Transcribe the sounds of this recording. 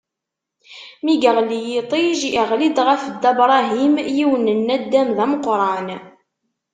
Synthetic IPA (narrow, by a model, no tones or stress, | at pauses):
miɡəʁlijit̪ˤiʒəʁlid̪ʁəfd̪æbɾˤɑɦimjiwənənːæd̪ːæmðæməqːɾˤɑn